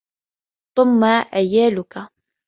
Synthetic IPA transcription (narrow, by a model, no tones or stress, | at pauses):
θʊmːaʔajaːlʊka